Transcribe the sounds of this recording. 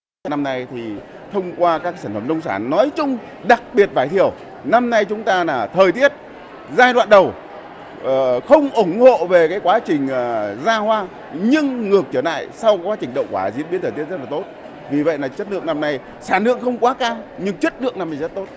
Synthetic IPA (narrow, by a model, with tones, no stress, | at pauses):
na˧mna˧jt̪ʰi˨˩ | t̪ʰə˧wŋ͡mkwaː˧kaː˦˥k̚saː˧˩n̟fə˧˩mɗə˧wŋ͡msaː˧˩nːɔ˨˦jt͡ɕʊ˧ŋ͡m | ɗa˨˩k̚ɓi˨˩ət̚vaː˧˩jt̪ʰi˨˩əw | na˧mna˧jt͡ɕʊ˨˦ŋ͡mt̪aː˧laː˨˩t̪ʰəː˨˩jt̪i˦˥ət̚ | zaː˧jɗwa̰ː˧˨nɗə˨˩w | xə˧wŋ͡mʔʊ˧˩ŋ͡mho̰˧˨ve˨˩kaː˨˦jkwaː˨˦t͡ɕï˨˩ŋ̟ː˨˩zaː˧hwaː˧ | ɲɨ˧ŋŋɨ˨˩ək̚t͡ɕəː˧˩la̰ː˧˨jsa˧wkaː˨˦kwaː˨˦t͡ɕï˨˩ŋ̟ɗə̰˧˨wŋ͡mkwaː˧˩zḭ˧˥ətɓi˦˥t̪ʰːəː˨˩t̪i˦˥t̚zt̚laː˨˩t̪o˦˥t̚ | vi˨˩və̰˧˨jlaː˨˩t͡ɕə˦˥t̚lɨ̰˧˨əŋna˧mna˧j | saː˧˩nlɨ̰˧˨əŋxə˧wŋ͡mkwaː˨˦kaː˧wɲɨ˧ŋt͡ɕə˦˥t̚lɨ̰˧˨əŋ̚na˧mna˧˩jzə˦˥t̚t̪o˦˥t̚